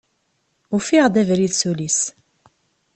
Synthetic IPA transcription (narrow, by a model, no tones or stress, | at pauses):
ufiʁd̪ævɾiðsulis